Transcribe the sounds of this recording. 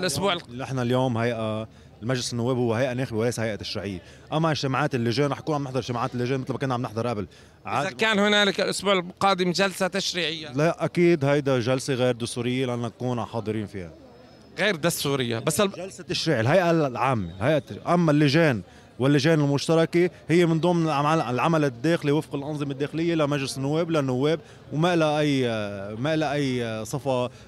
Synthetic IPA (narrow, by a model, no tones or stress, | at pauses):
lʔʊsbuːʕnɪħnaljoːmhajʔa | lmaʒlɪsɪnːʊwːeːbhʊwːeɦajʔaneːxɪbɪwlejshajʔat̪ːḁʃɾiːʕɪjːe | ʔamːaʔɪʒt̪ɪmaʕaːt̪ɪlːɪʒeːnɾˤɑħʔakuːnʕamnɪħd̪ɑɾˤɪʒ̥t̪ɪmaʕaːt̪ɪlːɪʒeːnmɪt̪lmakʊnːaʕamnɪħd̪ˤɑɾˤʔabɪl | ʕɪaːakaːnhʊnaːlɪkɪlʔʊsbuːʕɪlqɑːd̪ɪmʒalsat̪aʃɾiːʕɪjːalaʔʔakiːd̪hajd̪aʒalseɣeːɾd̪ʊst̪uːɾɪjːelɪʔanːakuːnħɑːd̪ˤɨɾiːnfiːha̰ | ɣeːɾd̪ʊst̪uːɾɪjːa̰basːʒalsat̪ːaʃɾiːʕelɦajʔaʕaːmːḛlhajʔaʔamːalːɪʒeːn | wɪlːɪʒeːnɪlmʊʃt̪ɑɾˤɑkehɪjːemɪnd̪ˤuːmɪlaalʔɪlʕamalɪd̪ːeːxliwɪfqɪlʔɑnzˤɨmed̪ːeːxɪlɪjːelamaʒlɪsɪnːʊwːeːblanːʊwːeːb | wmaʔɪlaʔajːmaʔɪlaʔajːsˤɑfɑ